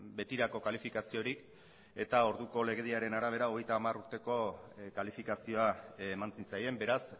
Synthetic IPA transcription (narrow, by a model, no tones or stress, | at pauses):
be̞t̪iɾako̞kalifikasio̞ɾik | e̞t̪ao̞ɾðuko̞le̞ɣ̞e̞ðiaɾe̞naɾaβ̞e̞ɾao̞ɣ̞e̞jt̪aːmaruɾt̪e̞ko̞kalifikasio̞aːmant͡sint͡saje̞mbe̞ɾas